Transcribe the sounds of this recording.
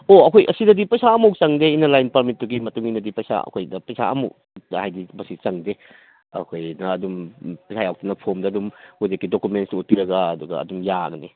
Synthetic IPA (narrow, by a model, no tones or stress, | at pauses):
oɐkʰojʔɐsidɐdipɐjsaɐmowk̚t͡ʃɐŋdeinɐlajnpɐɾmit̚ːuɡimɐtuŋinɐdipɐjsa̰ɐ̰kʰojdɐpɐjsa̰ɐ̰mowk | hajdimɐsit͡ʃɐŋde | ɐ̰kʰojnɐːdumpɐjsʰajawk̚tunɐpʰomdɐɐdumuzekːidokumentstut̚piɾɐɡaɐduɡɐ̰ɐ̰dumjaɡɐni